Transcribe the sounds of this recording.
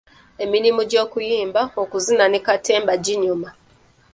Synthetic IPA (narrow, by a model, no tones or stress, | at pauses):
eminimuɟokujiːmbaokuzinanikateːmbaɟiɲuma